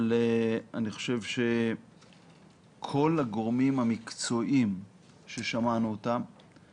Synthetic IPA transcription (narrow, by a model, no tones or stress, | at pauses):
leaniχo̥ʃe̞vʃe̞ | kʰo̞laɡoʁmimhamikt͡so̞ʔim | ʃe̞ʃamanuotam